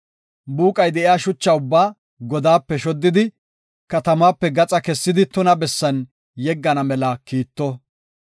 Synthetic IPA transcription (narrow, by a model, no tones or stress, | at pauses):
buːkʼɐjd̪ɛʔɪjaːʃʊt͡ʃːɐʊbːaː | ɡɔd̪aːpːɛʃɔd̪ːɪd̪ɪ | kɐt̪ɐmaːpːɛɡɐt͡sʼɐkɛsːɪd̪ɪt̪ʊnɐbɛsːɐn | jɛɡːɐnɐmɛlɐkiːt̪ːɔ